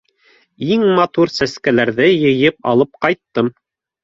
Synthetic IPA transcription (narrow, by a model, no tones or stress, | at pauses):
iŋmɑt̪uɾsæskælæɾðɘjɤ̆jɤp̚ɑ̰lˠɤp̚qɑjt̪ːɤm